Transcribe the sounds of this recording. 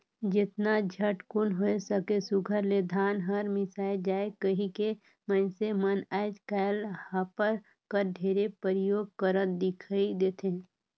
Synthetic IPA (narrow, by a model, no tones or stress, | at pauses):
d͡ʒɪt̪nad͡ʒʱəʈkʊnɦoesəkesʊɡʱəɾled̪ʱaːnɦəɾmɪsaːɪd͡ʒaːekəɦĩke | mənsemənaːed͡ʒkaːlhapəɾ | kəɾɖʱeːɾepəɾɪjoːɡ̚kəɾət̪̚d̪ɪkʰaid̪eːt̪ʰe